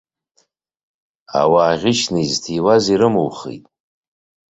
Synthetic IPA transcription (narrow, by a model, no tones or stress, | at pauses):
a̰waːʁʲɪʃnɨiztʰiwaziɾɨmɨwχḛjtʼ